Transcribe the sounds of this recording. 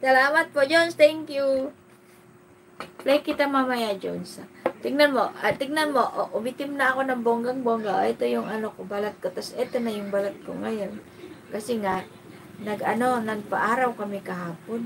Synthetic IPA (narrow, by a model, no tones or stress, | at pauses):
sɐlamat̪̚pod͡ʒonst̪ɛŋkju | lakːit̪amamajad͡ʒo̰nsat̪iŋnanmoat̪iɡnanmoʔʔumit̪ɪmnaːkonaŋboŋɡaŋboŋɡaɛt̪ojʊŋanokobalat̪̚kot̪asɛt̪onajʊŋbalat̪̚ko̰ŋajon | kasiŋaʔ | nɐɡanonaɡpaʔaɾawkamikaɦaːpon